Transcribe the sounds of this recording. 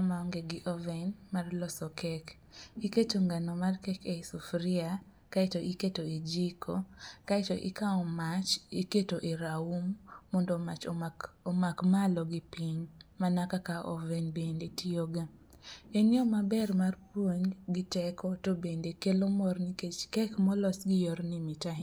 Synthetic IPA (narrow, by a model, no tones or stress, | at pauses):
amaɔŋɡeɡɪʔɔvɛnmarlɔsɔkʰɛk | iketoŋɡanɔmarkɛkesufɾia | kaitoʔiketoid͡ʒikokaɛtoʔḭkaɔmat͡ʃiketoʔiɾaumːɔndɔmat͡ʃomakmalɔɡɪpiɲmanakakaʔɔvɛnbendetioɡa | enjɔmabɛrmarpwoɲɡɪtɛkɔtobendekelomɔrniket͡ʃkɛkmɔlɔsɡɪjoɾnimitaɦi